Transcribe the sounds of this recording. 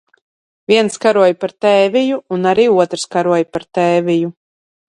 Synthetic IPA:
vʲiɛnskaɾuɔjpaɾt̪ɛːvijuunaɾiːuɔt̪ɾskaɾuɔjpaɾt̪ɛːvʲiju

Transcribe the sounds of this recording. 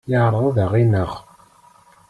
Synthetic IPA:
jəʕɾˤəðˤðəʁinəʁ

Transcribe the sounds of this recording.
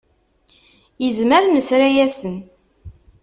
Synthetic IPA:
jəzməɾnəsɾajæsən

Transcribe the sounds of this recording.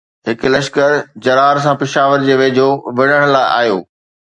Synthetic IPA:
ɦɪklɐʃkəɾd͡ʑɐɾaːɾsãpɪʃaːʋəɾd͡ʑeːʋeːd͡ʑʱoʋɪɽ̤əɽ̃laːɪʔa̰ːjo̰ː

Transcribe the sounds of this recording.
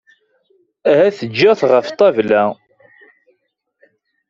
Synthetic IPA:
æhæθəd͡ʒːəθʁəft̪ˤːævlæ

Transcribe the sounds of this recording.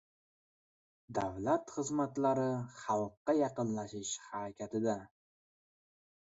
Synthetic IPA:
d̪avlat̪χɨzmat̪laɾɪχɑlˠqːɑjɑqɨnlaʃɪʃhaɾakʲʰat̪ɪd̪a

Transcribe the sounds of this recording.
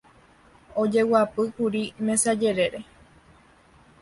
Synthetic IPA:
od͡ʒe̞wapɨkuɾimẽ̞sad͡ʒe̞ɾe̞ɾe

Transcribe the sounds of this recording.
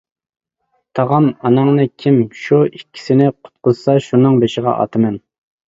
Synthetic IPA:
t̪ʰɑʁɑmɑnɑŋnɨkʲʰimʃuikʲʰːi̥sɪnɪqʰʊ̥t̪̚qʰʊzsɑʃunɨŋbeʃɪʁɑ̰ʔɑ̰t̪ʰɨmɛn

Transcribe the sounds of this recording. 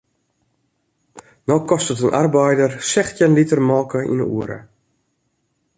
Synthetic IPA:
nɔkɔstətənʔa̰rbɛjdərsɛxtjənlitərmɔːkəʔḭnə̰ṵəɾə̰

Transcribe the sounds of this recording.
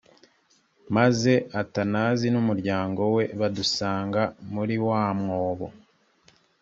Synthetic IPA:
maze̞ʔatanaːzinumuɾɟaːŋɡo̞we̞βadusaːŋɡamuɾiwaːmŋoːβo̰

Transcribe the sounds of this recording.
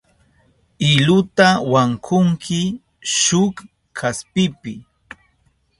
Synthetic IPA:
ɪlʊt̪awaŋkʰʊŋkʰɪ | ʃʊk | kʰaspɪpɪ

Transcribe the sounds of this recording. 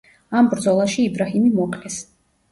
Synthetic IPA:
ambɾd̪zɔlˠaʃiːbɾaɦimimɔqʼlɛs

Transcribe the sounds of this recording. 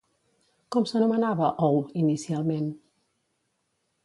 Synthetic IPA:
kɔmsənumənaβəʔɔwinisialˠmẽn

